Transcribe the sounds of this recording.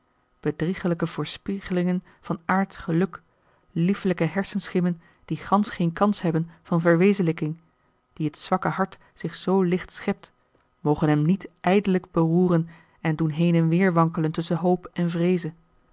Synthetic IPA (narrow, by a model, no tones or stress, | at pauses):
b̥ədriχələkəv̥ʊːɹspiχəlɪŋən | v̥ɑnʔaːɹtχəlɵk | lifləkəɦɛɹsənsχɪmən | d̥iχɑnsχejnkɑnsɦɛbənv̥ɑnvəɹʋejzənləkɪŋ | d̥iɦətsʋɑkəɦɑɹt | sɪχsowlɪχtsχɛp̚t | mowχənɦɛmnitʔɛjdələɡbəruːrən | ɛndunɦejnɛnʋɪːɹʋɑŋkələntɵsənɦowpɛnvrejzə